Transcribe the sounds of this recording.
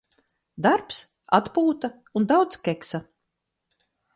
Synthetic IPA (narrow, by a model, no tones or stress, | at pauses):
d̪aɾps | at̪puːt̪a | und̪awt̪skʲɛksa